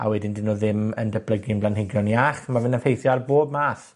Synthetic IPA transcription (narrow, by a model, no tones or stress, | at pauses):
a̰wɛdɪndɪnoːðɪməndəbləɡɪnblanɦɪɡjɔniaχmavɪnənfejθjɔarboːbmaːθ